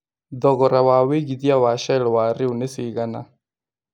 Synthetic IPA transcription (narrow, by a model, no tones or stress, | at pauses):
dɔɣɔɾawaweɣiðjawaʃaɺɔwaɾiunɛsiɣana̰